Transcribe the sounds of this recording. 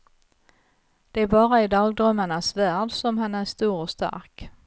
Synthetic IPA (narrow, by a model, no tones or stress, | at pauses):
d̪̥ɛæɾbɑːɾaɪd̪ɑːɡ̚d̪ɾœmːaɳasvæːɖsɔmɦanæɾʂt̪uːɾɔst̪a̰ɾk